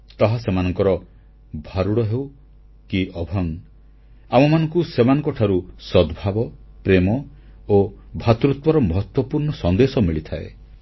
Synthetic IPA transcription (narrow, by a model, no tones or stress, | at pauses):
t̪ɔɦasemanɔŋkɔɾɔ | bʱaɾuɽɔɦew | kiʔɔbʱɔŋ | amɔmanɔŋkusemanɔ̃ŋkɔʈʰaɾusɔd̪ʱbʱabɔpɾemɔ | obʱat̪ɾut̪wɔɾɔmɔɦɔt̪wɔpuɾɳɔsɔnd̪esɔmiɭit̪ʰaḛ